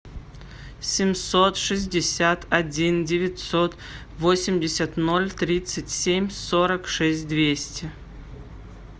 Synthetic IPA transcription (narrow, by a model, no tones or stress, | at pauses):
sʲɪmʲsot̪ʂɨzʲdʲɪsʲat̪ɐdʲindʲɪvʲɪtʲsot̪ | vosʲɪmʲdʲɪsʲat̪nolʲt̪ɾʲit̪sɨtʲsʲemʲsoɾəkʂɛsʲt̚ʲd̪vʲesʲtʲɪ